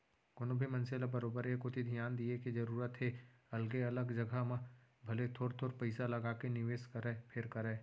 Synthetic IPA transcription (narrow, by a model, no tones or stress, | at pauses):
kʊnobʱimɐ̃nselabɐɾoːbəɾekot̪ʰid̪ʱijaːnd̪iekid͡ʒɐɾuːɾət̪ɦeɐlɡeɐləɡd͡ʒɐɡʱamãbʱɐlet̪ʰoːɾt̪ʰoːɾpɐɪsalɐɡaːkenɪʋeːskɐɾepʰɪɾkɐɾeː